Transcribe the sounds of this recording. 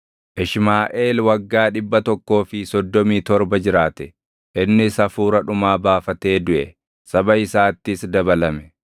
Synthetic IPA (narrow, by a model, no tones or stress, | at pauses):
ʔɪʃmaːʔeːlwɐɡːaːᶑɪbːɐt̪ɔkːo̞ːfɪsɔd̪ːɔmiːt̪ɔɾbɐd͡ʒɪɾaːt̪ɛ | ʔɪnːɪsɐfuːɾɐᶑʊmaːbaːfɐt̪e̞ːd̪ʊʔɛ | sɐbɐɪsaːt̪ːɪsd̪ɐbɐlɐmɛ